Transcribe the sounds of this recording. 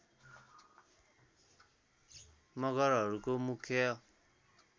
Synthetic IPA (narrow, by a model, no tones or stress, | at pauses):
mʌɡʌɾɦʌɾukomukʰjʌ